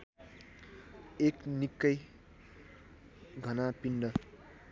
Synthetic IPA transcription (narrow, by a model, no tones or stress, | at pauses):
eknikːʌj | ɡʱʌnapiɳɖʌ